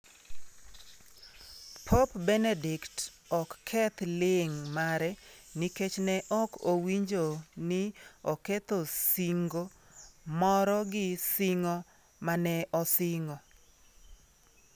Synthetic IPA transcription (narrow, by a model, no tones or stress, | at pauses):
pʰopbɛnedɪkt | ɔkːʰɛt̪lɪŋmaɾɛniket͡ʃnɛʔɔkowiɲd͡ʒonɪɔkɛt̪osiŋɡo | mɔɾɔɡɪsɪŋɔ | manɛʔɔsɪŋɔ